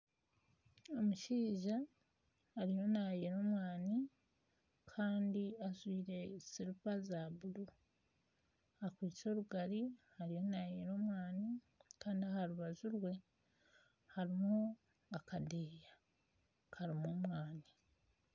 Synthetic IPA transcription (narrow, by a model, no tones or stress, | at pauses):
o̞muʃiːʒaː | ɾijo̞najeɾo̞ːmwaːni | kʰaːndiazwiːɾe̞siɾupazaβuɾu | akwiːt͡so̞ːɾuɡaɾihaɾijo̞naːjeɾo̞ːmwaːni | kaːndiahaɾuβazuɾwe̞ | haɾimu | akadeːja | kʰaɾimoːmwaːni